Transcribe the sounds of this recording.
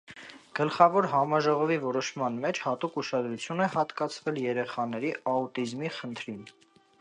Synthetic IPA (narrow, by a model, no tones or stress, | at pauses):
ɡ̥əlχɑvɔɾɦɑmɑʒɔʁɔvivɔɾɔʃmɑnmɛt͡ʃʰhɑt̪ukuʃɑd̪ɾut͡sʰjunɛhɑt̪kɑt͡sʰvɛljɛɾɛχɑnɛɾiɑut̪izmiχənt̪ʰɾin